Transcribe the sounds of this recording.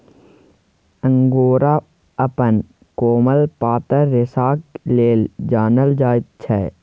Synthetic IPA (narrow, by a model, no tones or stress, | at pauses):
ə̃ŋɡoːɾa | ɐpən | koːməlpaːt̪əɾːɪsaːkleːld͡ʒaːnəld͡ʒaːt̪̚t͡ʃʰɛː